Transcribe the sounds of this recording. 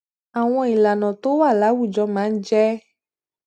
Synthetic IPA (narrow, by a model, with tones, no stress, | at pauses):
a˨w̃ɔ̃˦i˨la˨nɔ̃˨t̪o˦wa˦˨la˨˦wu˦˨d͡ʒɔ˧˦mã˨˦d͡ʒɛ˦